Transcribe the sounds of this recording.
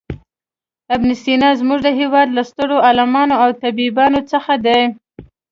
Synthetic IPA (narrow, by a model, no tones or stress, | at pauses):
abnɪst̪inɑzmuʐd̪əɦewɑd̪last̪əɽoalamɑnoawt̪abibɑnot͡səxad̪aj